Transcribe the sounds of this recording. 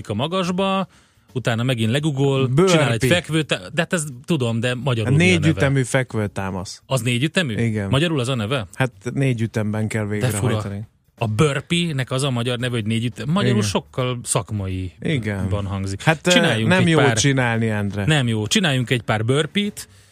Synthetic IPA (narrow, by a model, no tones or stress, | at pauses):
ikɒmɒɡɒʒbɒ | ut̪aːnɒmɛɡinlɛɡuɡolbøt͡ʃinaːlɛɟfɛkʋøːt̪d̪ɛɦat̪ɛzt̪ud̪o̞md̪ɛmɒɟɒɾulneːɟ̪nyvɛɛmyːfɛkʋøːt̪aːmɒsɒzneːɟyt̪ɛmyiɡɛnmɒɟɒɾulɛzɒnɛvɛhat̪neːɟyt̪ɛmbɛŋkɛlveːɡd̪ɛɾɛfɾni | ɒbørpinɛkɒzɒmɒɟɒrnɛvɛho̞ɟneːɟyt̪ɛmmɒjɒɾulʃo̞kːɒlsɒkmɒiiɡɛnbɒnɦɒŋɡzikhat̪t͡ʃinaːjːuŋnɛɛmjopːlːrt͡ʃinaːlniɛnd̪rɛnɛmjoːt͡ʃinaːjːuŋkɛɟpaːrbørpit̪